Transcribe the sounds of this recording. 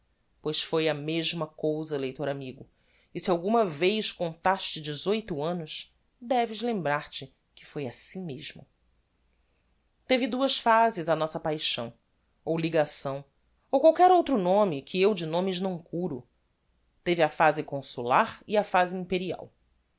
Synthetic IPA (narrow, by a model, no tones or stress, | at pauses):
pojʃfojɐmeʒmɐkowzɐlejt̪oɾamiɡʊ | ɪsiawɡũmɐvejʃkõnt̪aʃt͡ʃɪd͡ʒɪzojt̪uɐ̃nʊs | d̪ɛvɪzlẽmbɾaɾt͡ʃɪ | kɪ̥fojasĩmeʒmʊ̰ | t̪evɪd̪uɐʃfazɪzɐnɔsɐpajʃɐ̃w̃ | owliɡasɐ̃w̃ | owkwawkɛɾowt̪ɾʊnõmɪkʰɪewd͡ʒɪnõmɪznɐ̃w̃kʰuɾʊ | t̪evɪafazɪkõsulaɾɪafazɪĩmpeɾia̰w